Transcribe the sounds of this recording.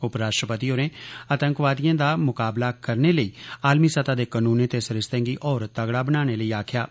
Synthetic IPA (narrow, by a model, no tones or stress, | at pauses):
ʊpɾaːʃʈɾəpət̪iːoːɾẽːət̪əŋkʋaːd̪ijãːd̪aːmʊkaːblaːkəɾneːləiːaːlmiːsət̪aːd̪eːkənuːnẽːt̪eːsəɾɪst̪ə̃ŋɡiːʔɔːɾt̪əɡɽaːbənaːɽ̃eːləiːaːkʰjaː